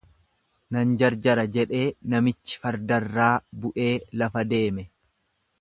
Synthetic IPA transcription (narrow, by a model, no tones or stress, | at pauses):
nɐnd͡ʒɐɾd͡ʒɐɾɐd͡ʒɛᶑe̞ːnɐmɪt͡ʃːɪ̥fɐɾd̪ɐrːaːbʊʔe̞ːlɐfɐd̪e̞ːmɛ